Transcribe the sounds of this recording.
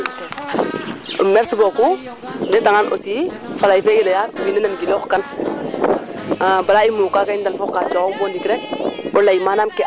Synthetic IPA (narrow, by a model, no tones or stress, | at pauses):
o̰mɛɾsboku | dɛdaŋanʔo̰si | falaifɛilajawinɛnamɡiloxkan | abaɾaimukakaindalfɔkat͡ʃɔkɔŋbɔndikiɾɛk̚olajimanamkɛ